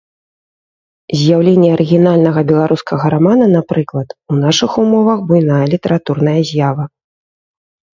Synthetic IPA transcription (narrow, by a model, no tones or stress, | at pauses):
zʲjawlʲenʲːɛɐɾʔɨɣʲin̪alʲnɐɣɐbʲɛlˠaɾuskɐɣɐɾamanɐn̪apɾɨklˠɐt̪un̪aʂɨxumɔvɐɣbujnajɐlʲit̪ɐɾat̪urnɐjɐzʲjavɐ